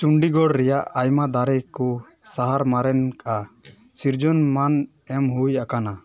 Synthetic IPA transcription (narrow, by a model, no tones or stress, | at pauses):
t͡ʃuɳɖiɡɔɽɾɛjaʔajmad̪aɾɛjkɔ | saɦaɾmaɾɛnkaʔa | siɾd͡ʒɔnman | ɛmɦujakana